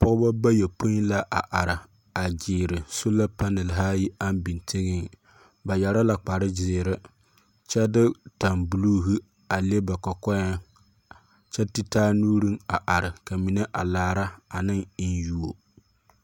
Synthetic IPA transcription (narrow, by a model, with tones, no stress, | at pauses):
pɔ˦ɡʊ˦ba˦ba˦jɛ˨po˦la˦ʔa˨ʔa˨ɾɪ˨ | a˨d͡ʒɪː˨ɾɪ˨so˦la˦pa˦nɛ˨lɦa˦ji˦a˦n˦bi˨ntʰe˦ɡɪ˦ŋ | ba˨jɛ˨ɾa˦la˨k͡pa˨ɾɪ˦d͡ʒɪː˨ɾɪ˦ | t͡ʃɛ˦dɪ˦ta˨mbu˨luː˦ɦu˦ | a˨le˦ba˨kɔ˨kɔ˦ja˦ŋ | t͡ʃɛ˦ti˦taː˦nuː˦ɾi˦ŋa˨ʔa˨ɾɪ˨ka˨mi˨ne˦ʔa˨laː˨ɾa˦a˨nɨ˦ŋ˦nju˦wo˨